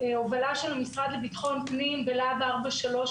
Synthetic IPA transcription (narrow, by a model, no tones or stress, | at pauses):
eovalaʃelamisʁad̪lebit̪χo̞npnimbelabaʁbaʃalo̞